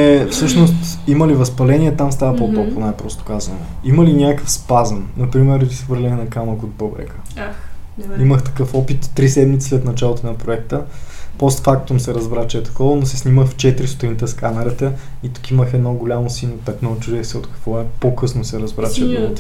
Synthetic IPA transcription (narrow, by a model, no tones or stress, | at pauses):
ɛfsɤʃnost̪iməlivɐspɐlɛniɛt̪amst̪avəpop̪ɾɔkonajpɾɔst̪o̥kazəno̰iməlinʲakəfspazənnɐpɾimɛɾozisvɤɾlʲɛnɛnɐkaməkod̪̚bɤbɾɛ̰kə̥ | iməxt̪ɐ̥kɤfɔpit̪ːɾisɛd̪mit̪si̥slɛt̪nɐt͡ʃalˠot̪onɐpɾoɛkt̪əpɔst̪fak̚t̪omsɛɾɐzbɾat͡ʃɛt̪ɐ̥kɔvənosɛsniməxft͡ʃɛt̪iɾʲisu̥t̪init̪ɛskamɛɾət̪əit̪u̥kiməxɛd̪nɔɡʊlʲamosinopɛt̪not͡ʃud̪ɛxsɛot̪kɐ̥kvɔɛpokɤsnosɛɾɐzbɾat͡ʃət̪t̪